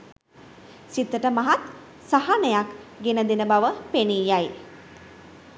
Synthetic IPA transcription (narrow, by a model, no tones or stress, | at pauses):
sit̪ːəʈəmaɦat̪ | saɦanəjakɡenəd̪enəbaʋəpeniːjaj